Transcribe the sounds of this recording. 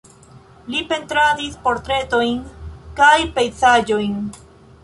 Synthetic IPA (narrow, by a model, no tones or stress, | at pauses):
lipe̞nt̪ɾadispo̞ɾt̪ɾe̞t̪o̞jnkajpejt͡sad͡ʒojn